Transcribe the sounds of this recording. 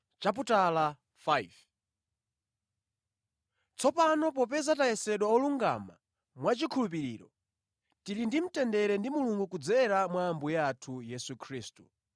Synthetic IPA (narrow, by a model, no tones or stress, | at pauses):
t͡ʃap̬utala | faiv | t͡sɔpanɔp̬ɔpɛzataɛsɛɗwaɔluŋɡa̰ma̰ | mwat͡ʃikʰulupiɾḭːɾɔ | tiɾindim̩tɛndɛɾɛndimuluŋɡukud͡zɛɾamwaːmbujatʰujɛsukʰɾiːstu̥